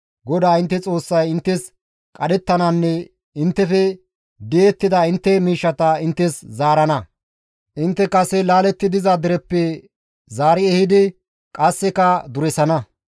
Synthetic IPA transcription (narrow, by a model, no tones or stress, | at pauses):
ɡɔd̪aːɪnt̪ːɛt͡sʼo̞ːsːɐjɪnt̪ːɛs | kʼɐd̪ɛt̪ːɐnɐnːɛ | ɪnt̪ːɛfɛ | d̪eɛt̪ːɪd̪ɐɪnt̪ːɛmiːʃːɐt̪ɐɪnt̪ːɛszaːɾɐnɐ | ʔɪnt̪ːɛkɐsɛlaːlɛt̪ːɪd̪ɪzɐd̪ɪɾɛpːɛ | zaːɾɪɛhɪd̪ɪ | kʼɐsːɛkɐd̪ʊɾɛsɐnɐ